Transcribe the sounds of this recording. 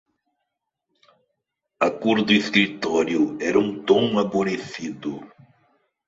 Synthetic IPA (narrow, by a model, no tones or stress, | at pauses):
ɐkuɾd̪ʊeskɾit̪ɔɾjʊɛɾɐũt̪õŋaboɾesid̪ʊ